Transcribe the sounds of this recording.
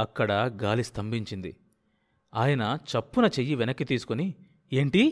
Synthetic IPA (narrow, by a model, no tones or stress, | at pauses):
ɐkːɐɽɐɡaːlist̪ʰɐmbiɲt͡ʃind̪ḭ | aːjɐnɐt͡ʃɐpːunɐt͡ʃejːiʋɛnɐkːit̪iːsu̥koni | e̞ːɳʈi